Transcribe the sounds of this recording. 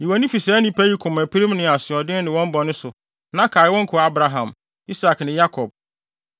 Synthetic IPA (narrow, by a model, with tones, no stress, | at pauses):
ji˨wa˨nĩ˦fi˨sɛː˨˦nĩ˨pʰæ˦ji˦kʰʊ̃˨mæ˨pʰɾi˦m˦nɪ̃˨a˨sɪ˨ɔ˨dɪ̃˦nɪ̃˨wɔ̃˦m˦bɔ˨nʊ̃˦sʊ˨ | nã˦kʰa˨ɪ˨˦wɔ̃˦ŋ˦kʰʊ˨a˦bɾa˨ɦã˨m | i˦sa˨knɪ̃˨ja˦kʰɔ˨b̚